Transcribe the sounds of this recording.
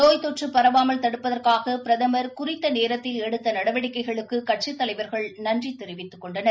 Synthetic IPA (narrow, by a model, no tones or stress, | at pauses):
t̪oːjt̪ɔʈrɯpːɐɾɐʋaːmɐlt̪ɐɽɯpːɐðɐrkaːɣɐpɾɐðɐmɐɾkʊrɪt̪ːɐneːɾɐt̪ːɪlɛɽɯt̪ːɐnɐɽɐʋɐɽɪkːɐɪɣɐɭɯkːɯkɐʈ̚ʂɪt̪ːɐlɐɪʋɐɾɣɐɭnɐndrit̪ɛɾɪʋɪt̪ːɯkːɔɳɖɐnɐɾ